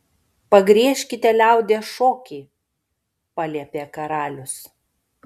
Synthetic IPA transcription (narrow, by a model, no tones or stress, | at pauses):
pɐɡɾʲiɛʃʲkʲɪt̪ʲɛlʲæˑʊd̪ʲeːʃoːkʲiː | pɑlʲiɛpʲeːkɐɾɑːlʲʊs